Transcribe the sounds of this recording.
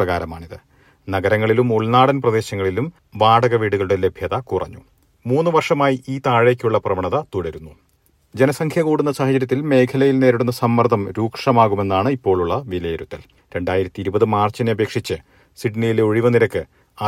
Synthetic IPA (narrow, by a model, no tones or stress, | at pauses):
ɐɣaːɾɐmaːɳiðɨ | nɐɣɐɾɐŋːɐɭilumoɭnaːɽɐnprɐd̪e̞ːɕɐŋːɐɭilum | ʋaːɽɐɣɐʋiːɽuɣɐɭuɽe̞le̞bʱjɐðɐkurɐ̰ɲːu | muːnːɨʋɐrʂɐmaːjiʔiːt̪aːɻekʲːuɭːɐprɐʋɐɳɐðɐt̪uɽɐɾunːu | d͡ʑe̞nɐsɐŋkʰjɐkuːɽunːɐsaːɦɐd͡ʑɐɾjɐt̪ːilme̞ːkʰɐlɐjilne̞ːɾiɽunːɐsɐmːɐrd̪ʱɐmɾuːkʂɐmaːɣume̞nːaːɳɨipːo̞ːɭuɭːɐʋilɐjɐɾut̪ːɐl | ɾe̞ɳɖaːjiɾɐt̪ːiiɾubɐðɨmaːrt͡ɕːineɐbʱe̞ːkʂit͡ɕːɨ | siɖnijileoɻiʋɐniɾɐkːɨ | ɐ